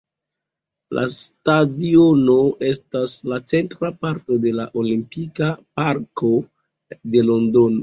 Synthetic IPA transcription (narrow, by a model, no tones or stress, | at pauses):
lʔa̰stadio̞no̞ʔe̞staslat͡se̞ntɾapaɾto̞de̞laʔo̞limpikapaɾko̞ | de̞lo̞ndo̞no